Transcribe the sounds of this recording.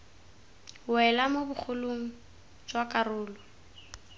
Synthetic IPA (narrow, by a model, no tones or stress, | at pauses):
wɛlamobʊk͡xʰʊloŋ̩ | d͡ʒwakʼarʊːlɔ